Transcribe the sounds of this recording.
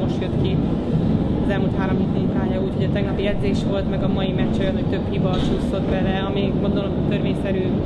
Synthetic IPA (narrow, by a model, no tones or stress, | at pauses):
oʃjøt̪ki | ɒzɛlmult̪haːɾo̞mɦiːt̪iik̪aːjɒuːcho̞ɟɒt̪ɛɡnɒpijɛd̪zeːʃʋo̞lt̪mɛɡɒmɒjimɛct͡ʃːojɒnhoc̚t̪ø̞phivɒt͡ʃuːsːo̞d̪bɛlɛɒmimo̞nd̪onomot̪ø̞ɾveːɲsɛɾyː